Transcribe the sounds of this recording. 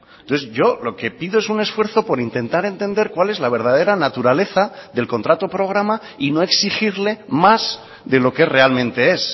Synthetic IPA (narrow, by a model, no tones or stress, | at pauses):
noθzʝo̞lo̞ke̞piðoe̞sune̞sfwe̞ɾθo̞po̞ɾint̪e̞nt̪aɾe̞nt̪end̪eɾkwale̞zlaβ̞e̞ɾð̞að̞e̞ɾanat̪uɾale̞θaðe̞lko̞nt̪ɾat̪o̞pɾo̞ɣ̞ɾama | ino̞e̞ksixiɾle̞maz̥ | ðe̞lo̞kere̞almẽnt̪e̞es